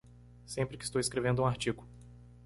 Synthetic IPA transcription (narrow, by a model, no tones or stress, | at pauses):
sẽmpɾɪkɪ̥st̪owɪskɾevẽnd̪ʊũaɾt͡ʃiɡʊ